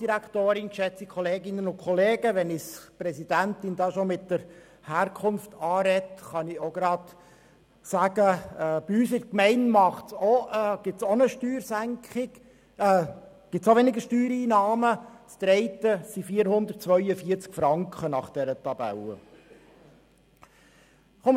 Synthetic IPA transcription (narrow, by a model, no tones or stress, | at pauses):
d̥iɾækʰt̪oːɾɪnʃɛt͡sikʰχɔleːɡɪnːənʊnkʰχɔleːɡəʋɛnɪspɾɛsid̥̪æntɪnd̥̪ɑːʃomɪtːəɾ | hæːɾkʰχʊnft̪ɑːɾɛt̪χɑnɪoɡɾɑːt̪ | sæːɡ̥əɛːb̥iyːsɪɾkmɛɪnmɑχtsoɡ̥ɪtt͡sonəʃtyːɾsæŋkχɪɡ̥ | ɡ̥ɪtsoʋɛnɪɡəʃtyːɾiːnɑːmət͡st̪ɾɛɪt̪əsifiːəɾhʊnd̪ərt̚t͡sʋœʏjəfiəɾt͡skfɾɑŋkχənɑχd̪̥ɛɾət̪ɑbæ̰lə̰ | χom